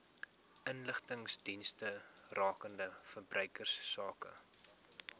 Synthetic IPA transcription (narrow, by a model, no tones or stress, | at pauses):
ʔənləχtəŋsdinstərɑːkəndəfərbrœɥkərsːɑːkə̰